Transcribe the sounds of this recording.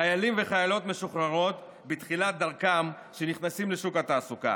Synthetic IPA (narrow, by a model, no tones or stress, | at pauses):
ajalimveχajalo̞t̪me̞ʃuχʁaʁo̞t̪ | bit̪χilat̪̚d̪aʁkam | ʃeniχnasimleʃukat̪aːsuka̰